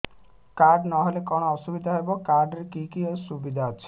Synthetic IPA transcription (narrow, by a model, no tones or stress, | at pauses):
kaɾɖnɔɦelekɔɽ̃ɔɔsubid̪ʱaɦebɔkaɾɖeɾekikiɔsubid̪ʱaɔt͡ʃʰe̥